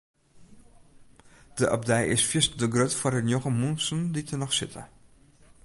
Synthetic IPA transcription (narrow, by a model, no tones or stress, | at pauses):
d̥əʔɑ̰p̚dɛjɪsfɪstdəɡrøtfɔrənjɔχəmunsənditənɔχsɪtʰə̰